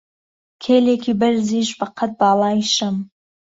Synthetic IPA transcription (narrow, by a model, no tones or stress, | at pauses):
kʲʰelekʲʰibɪɾziʃbaqʰət̪̚bɑːlˠɑjʃəm